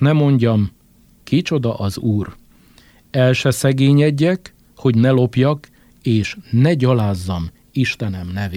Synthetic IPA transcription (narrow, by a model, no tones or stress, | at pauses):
nɛmo̞ɲɟɒm | kit͡ʃo̞d̪ɒʔɒzuːr | ɛlʃɛsɛɡeːɲɛɟːɛk | ho̞ɟnɛlo̞pjɒk | eːʃnɛɟɒlaːzːɒm | iʃt̪ɛnɛmnɛveː